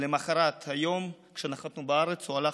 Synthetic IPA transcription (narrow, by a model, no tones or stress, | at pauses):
lemaχaɾat̪hajo̞mkʃenaχat̪nubaaʁet͡suala